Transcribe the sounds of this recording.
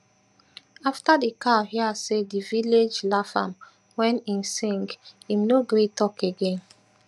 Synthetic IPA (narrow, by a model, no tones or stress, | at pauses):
aftadikʰahiasediviled͡ʒlafã̰m | wɛ̃nĩnsĩŋɡĩmnoɡɾetɔkeɡẽn